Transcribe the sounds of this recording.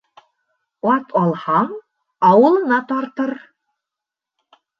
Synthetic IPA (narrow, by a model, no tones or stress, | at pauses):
ɑt̪ʰɑlˠhɑɴ | ɑwɤ̆lˠɤ̆nɑt̪ɑɾt̪ɤɾ